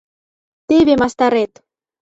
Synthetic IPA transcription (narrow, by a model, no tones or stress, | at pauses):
t̪eβemɑst̪ɑɾet̪